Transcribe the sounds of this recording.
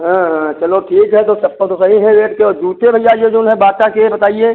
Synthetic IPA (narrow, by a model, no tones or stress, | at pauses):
ɦãːɦãːt͡ʃɐloʈʰiːkɦɛt̪osɐp̚kət̪osɐɦiɦɛʋeːʈkeɔːɾd͡ʒuːt̪ebʱɐjaːɾjoːd͡ʒʊnɦɛbaːtakebɐt̪aːieː